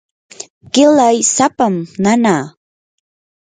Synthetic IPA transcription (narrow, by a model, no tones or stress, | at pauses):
kɪlajsapamnanaː